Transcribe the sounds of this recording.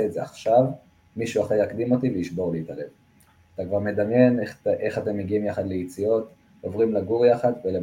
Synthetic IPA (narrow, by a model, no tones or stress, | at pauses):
eːtzeaχʃav | miʃuaχejakd̪imo̞tivejiʃbo̞ʁliitalev | at̪akvaʁme̞d̪amje̞nʔeχate̞mːeɡiimjaχad̪lejit͡sio̞t | ovʁimlaɡuʁjaχad̪vele